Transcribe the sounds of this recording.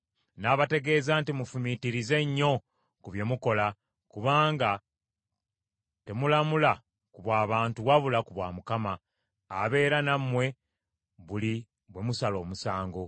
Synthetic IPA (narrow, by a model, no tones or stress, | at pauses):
naːβate̞ɡe̞zaːntimufumitiɾize̞ɲːo̞ | kuβje̞muko̞la | kuβaːŋɡa | te̞mulamula | kuβwaːβaːntuɣaβulakuβwaːmukamaː | βe̞ːɾanamwe̞ | βuli | βwe̞musalo̞ːmusaːŋɡo̞